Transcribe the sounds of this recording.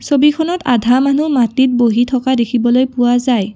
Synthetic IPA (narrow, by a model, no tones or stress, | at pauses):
sobikʰɔnɔtadʱamanumatit̚boɦitʰɔkadekʰibɔlojpʊwazaj